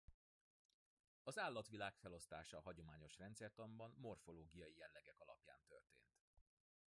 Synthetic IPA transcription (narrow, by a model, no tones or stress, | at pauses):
ɒzaːlːɒt̪ʋilaːkfɛlo̞st̪aːʃɒɦɒɟo̞maːɲo̞ʃrɛnt̪sɛrt̪ɒmbɒnmo̞rfo̞loːɡijɒjijɛlːɛɡɛkɒlɒ̰pja̰ːnt̪ø̰rt̪ḛːnt̪